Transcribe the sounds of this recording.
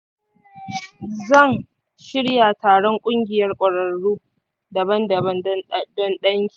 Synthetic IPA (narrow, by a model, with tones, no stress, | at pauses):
zɐ˦˨n | ʃɪ˦ɽja˨taː˨ɽɔ˦ŋkʷʼʊ˦ŋɡʲɪ˨jɐ˦rkʷʼɐ˨ɽɐ˨nːuː˦ | dɐ˨bɐ˦ndɐ˨bɐ˦n˦dɔ˦nɗɐ˦ŋkʲiː˨